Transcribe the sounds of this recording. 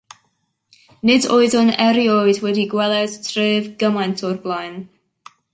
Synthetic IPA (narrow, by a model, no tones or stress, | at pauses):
nɪdoɨðɔnɛɾjojdwɛdiɡwɛlˠɛd̥tʰrɨːvɡəmajntʰɔrblˠajn